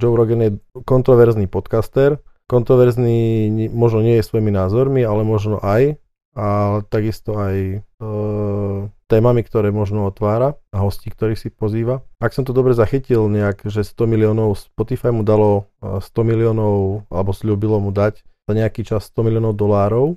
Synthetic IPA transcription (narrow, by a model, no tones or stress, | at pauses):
d͡ʒɔʊɾɔɡɛnjɛkɔnt̪ɾɔʋɛɾznipɔt̪kast̪ɛɾkɔnt̪ɾɔʋɛɾzniːmɔʒnɔɲɪɛjɛsʋɔjiminaːzɔɾmialɛmɔʒnɔʔaj | at̪aɡist̪ɔaj | t̪ɛːmamikt̪ɔɾɛːmɔʒnɔɔt̪ʋaːɾaaɦɔsciːkt̪ɔɾiːxsipɔziːʋaaksɔmt̪ɔd̪ɔbɾɛzaxicilɲɛaɡʒɛst̪ɔmiliɔːnɔʊspɔt̪ifajmud̪alɔst̪ɔmiliɔːnɔʊa̰lɛbɔsʎubilɔmud̪acz̥aɲɛakiːt͡ʃasːt̪ɔmiliɔːnɔʊd̪ɔlaːɾɔʊ